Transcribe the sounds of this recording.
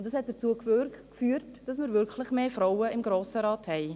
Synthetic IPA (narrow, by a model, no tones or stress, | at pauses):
ʊntdɑshɛt̚d̥əɾt͡suːəkføkfyːəɾtd̥ɑsmɪɾvʏɾkʰlɪχmeːfɾaʊəɪmɡɾoːsəɾɑːthɛɪ